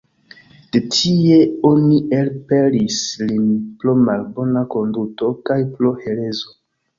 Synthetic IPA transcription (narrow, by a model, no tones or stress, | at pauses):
d̥e̞tʰie̞o̞niʔelpelislinplomalbo̞nako̞nduto̞kajplohe̞lezo